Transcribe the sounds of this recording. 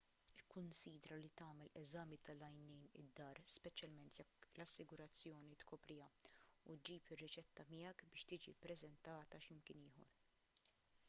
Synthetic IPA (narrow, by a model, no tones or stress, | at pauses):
ɪkʰːʊnsiːd̪ɾɐlit̪ɐːmɛlɛzɐːmit̪ɐlɐjnɛjnɪ̰d̪ːɐːɾspɛt͡ʃjɐlmɛnt̪jɛkːlɐsːɪɡʊɾɐt͡sːjɔːnit̪kʰɔːpɾɪjɐut̪̚d͡ʒiːpɪrːɪt͡ʃɛt̪ːɐmɪjɛkbɪːʃt̪ɪːd͡ʒḭpɾɛzɛnt̪ɐːt̪ɐʃɪmkɪnɪːhɔ̰ɾ